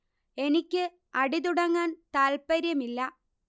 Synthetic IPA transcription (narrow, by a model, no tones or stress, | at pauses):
e̞nikʲːɨ | ɐɽit̪̬uɽɐŋːaːnt̪aːlpɐɾjɐmilːɐ